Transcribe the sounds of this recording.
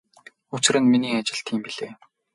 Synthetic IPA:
ʊt͡ɕɪ̆rɘ̆nminiːat͡ɕɪ̆ɬt̪ʰiːmpiɮeː

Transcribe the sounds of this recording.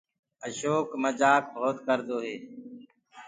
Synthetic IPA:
əʃoːkməd͡ʒaːk̚bʱoːt̪kəɾd̪oːɦeː

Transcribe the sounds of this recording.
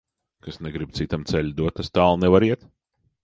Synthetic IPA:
kasnɛɡɾib̚t̪sit̪amt̪sɛlʲd̪uɔt̪ːast̪aːlˠnɛvaɾiɛt̪

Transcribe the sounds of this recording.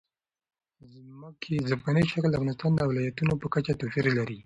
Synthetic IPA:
zməkʰezafɡanəjʃakəld̪əafvɣɑnɪst̪ɑnd̪əwlɑjat̪unopəkat͡ʃat̪ofiɾlaɾi

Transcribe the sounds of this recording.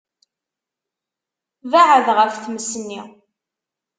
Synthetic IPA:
vaʕəðʁəfθməsənːḭ

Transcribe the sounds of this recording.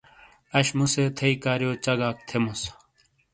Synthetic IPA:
ɐɕmuset̪ʰɐikaːɾjoːt͡ɕɐɡaːk̚t̪ʰemus

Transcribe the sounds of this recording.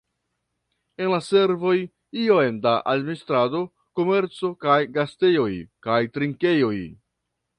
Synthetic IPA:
e̞nlase̞ɾvo̞j | iojendaʔadministɾado̞ | ko̞me̞ɾt͡so̞kajɡaste̞jo̞jkajtɾiŋke̞jo̞j

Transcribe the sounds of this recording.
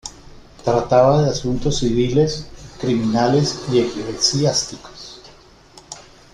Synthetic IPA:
t̪ɾat̪aβaðeasunt̪o̞sːiβile̞skɾiminale̞siekileksast̪iko̥s

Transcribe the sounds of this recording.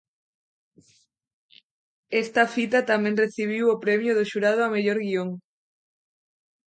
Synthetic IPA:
est̪ɐfit̪ɐt̪amẽŋreθiβ̞iwopɾɛmjʊðoʃuɾaðoameʎoɾɣioŋ

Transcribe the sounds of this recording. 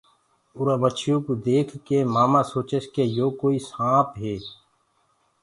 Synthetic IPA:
ʊɾabət͡ʃʰijõkud̪eːkʰkemaːmãsoːt͡ʃəʃkejoːkoːisãːpɦeː

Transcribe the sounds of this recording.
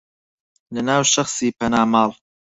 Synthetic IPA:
lənaːwʃɐxsiːpʰɐnaːmɑːl

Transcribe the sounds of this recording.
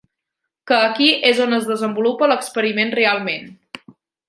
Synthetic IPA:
kəːkiʔezonəzðəzəmbulupələkspəɾimenrealˠmen

